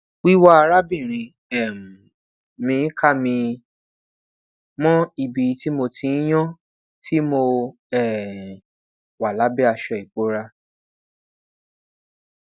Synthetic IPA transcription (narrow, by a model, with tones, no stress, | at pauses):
wi˦wa˦a˧ɾa˦bĩ˦˨ɾ̃ĩ˧ | ɛ˨m̩˨ | mĩ˧˦ka˦˨mĩ˧ | mɔ̃˦i˧bi˨˦ti˦mo˧tʰĩ˧˦j̃ɔ̃˦ | tʰi˦mo˧ | ɛ˦˨ | wa˨la˨˦bɛ˦a˧ʃɔ˧i˨k͡po˨˦ɾa˦